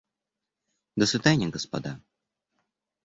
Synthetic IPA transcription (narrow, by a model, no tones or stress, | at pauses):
d̪əsvʲɪd̪anʲɐɡəspɐ̰d̪a